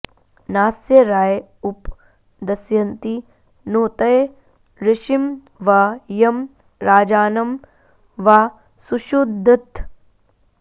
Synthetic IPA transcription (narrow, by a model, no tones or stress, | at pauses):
naːsjɐɾaːj | up | d̪ɐsjɐnt̪i | noːt̪ɐj | ɾɪʃim | ʋajɐm | ɾaːd͡ʒaːnɐm | ʋaː | suʃud̪ʱːɐt̪